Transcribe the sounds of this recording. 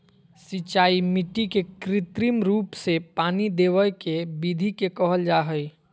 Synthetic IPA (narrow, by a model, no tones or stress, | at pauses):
sit͡ʃaːimiʈikekɾɪt̪ɾimɾuːpsepaːnid̪ewəjkebid̪ʱikekəɦəld͡ʒaɦəj